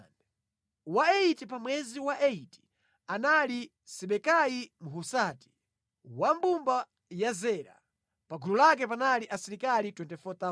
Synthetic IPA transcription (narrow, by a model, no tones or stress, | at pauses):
waɛitipamwɛziwaʔɛiti̥ | anali | sɛɓɛkajimuɦusaːti̥ | wambumba | jazɛːɾa̰ | paɡʱululak̬ɛpanaliʔasiɾikalitwɛntɛfɔt̪a